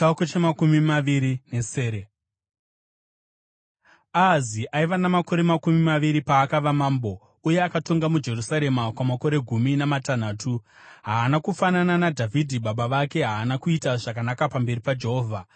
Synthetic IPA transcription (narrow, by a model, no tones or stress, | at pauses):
akot͡ʃemakumimaʋiɾine̞seːɾe | aziʔaiʋanamako̞ɾe̞makumimaʋiɾipaːkaʋamaːmbo̞ | uje̞akato̞ŋɡamud͡ʒe̞rusaɾe̞makwamako̞ɾe̞ɡʱuminamatan̤aːtʰuɦaːnakufanananadʱavʱidʱiɓaɓaʋake̞ɦaːnakuitaʐakanakapambe̞ripad͡ʒe̞ɦo̞ːvʱa